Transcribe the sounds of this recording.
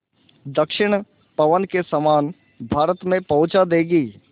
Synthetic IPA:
d̪əkʃɪɽ̃ | pɐʋənkesəmaːn | bʱaːɾət̪mẽpɐ̃ʊt͡ʃad̪eːɡiː

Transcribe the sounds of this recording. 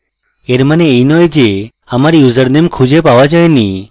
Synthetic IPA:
eɾmaneːjnɔjd͡ʒe | amaɾijuzəɾnemkʰud͡ʒʱepaʋad͡ʒajni

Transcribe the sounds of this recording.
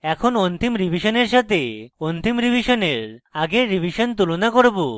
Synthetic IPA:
ɛkʰonont̪imɾibʱiʃoneɾʃat̪eont̪imɾibʱiʃoneɾaɡeɾːibʱiʃont̪ulonakoɾbo

